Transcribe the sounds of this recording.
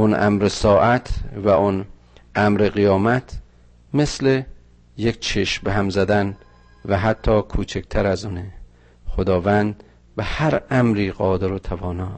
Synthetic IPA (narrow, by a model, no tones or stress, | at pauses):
onʔæ̰mɾesɒːʔæt̪ʰvæʔon | ʔæmɾeɣijɒːmæt̪ʰ | mesle | jekʲt͡ʃʰeʃmbeɦæmzæd̪æn | væɦæt̪ʰːɒːkʰuːt͡ʃʰek̚t̪ʰæɾæzune | xod̪ɒːvænd̪ | bæhæɾæmɾiːɢɒːd̪eɾot̪ʰævɒːnɒː